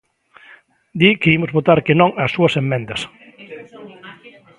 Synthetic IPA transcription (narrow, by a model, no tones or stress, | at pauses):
d̪ikeimozβot̪aɾkenõŋɐsuɐsemːẽnd̪ɐs